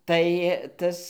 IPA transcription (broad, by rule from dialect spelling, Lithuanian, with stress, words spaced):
tɐɪ ˈtɐs